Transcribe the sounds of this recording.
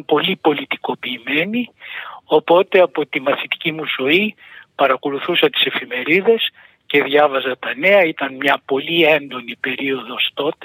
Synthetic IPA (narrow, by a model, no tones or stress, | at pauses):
po̞lipo̞lit̪i̥ko̞piːme̞nio̞po̞t̪e̞ɐpo̞t̪imɐθit̪i̥cimuzo̞i | pɐɾɐko̞luθusɐt̪i̥se̞fime̞ɾiðe̞s | ce̞ðʝɐvɐzɐt̪ɐne̞ɐit̪ɐnmɲɐpo̞lie̞nd̪o̞nipe̞ɾio̞ðo̞st̪o̞t̪e